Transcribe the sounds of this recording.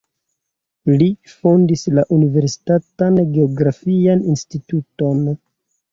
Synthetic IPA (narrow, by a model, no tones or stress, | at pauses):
lifo̞ndislaʔunive̞ɾsi̥tatanɡeoɡɾafianinstituto̞n